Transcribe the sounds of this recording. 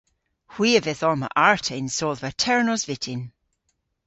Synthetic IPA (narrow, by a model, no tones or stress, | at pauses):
hw̥iːəvɛθɔɹmə̰ʔaɹtʰɛnsɔlvətʰɛɹnɔzvɪtʰɪn